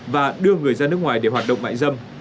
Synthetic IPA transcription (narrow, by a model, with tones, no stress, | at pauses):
vaː˨˩ɗɨ˧əŋɨ˨˩əjzaː˧nɨ˦˥ək̚ŋwaː˨˩jɗe˧˩ɦwaː˨˩t̚ɗə̰˧˨wŋ͡mma̰ː˧˨ŋzə˧m